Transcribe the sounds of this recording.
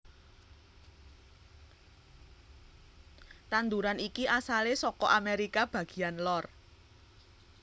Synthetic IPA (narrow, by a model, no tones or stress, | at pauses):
t̪and̪uɾanikiʔasalesɔkɔʔameɾikab̥a̤ɡ̥i̥̤anlɔr